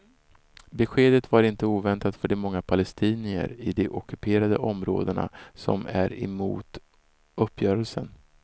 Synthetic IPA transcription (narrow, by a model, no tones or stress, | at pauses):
bɛɧeːd̪ət̪vaɾɪnt̪əuːvɛnt̪at̪fœɖɛmɔŋːapʰalɛst̪ʰiːnɪə̰ɾɪd̪ɛʔɔkɵpʰeːɾad̪ə̰ʔɔmɾo̰ːd̪əɳa̰sɔ̰mæɾɛ̰mṵːt̪ | ɵpːjœːɾəlsən